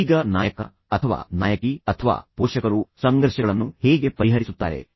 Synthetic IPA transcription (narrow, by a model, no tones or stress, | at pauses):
ɡɐnaːjɐkɐ̰ | ɐt̪ʰɐʋa̰ːna̰ːjɐkiɐt̪ʰɐʋa̰ːpoːʃɐkɐɾusɐŋɡɐɾʃɐɐɭɐnːuhɛːɡe̞pɐɾiɦɐɾisut̪ːaːɾe̞̰